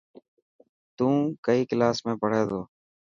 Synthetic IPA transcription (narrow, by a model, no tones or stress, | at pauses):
t̪ũːkəiːklaːsmẽːpəɽ̤eːd̪oː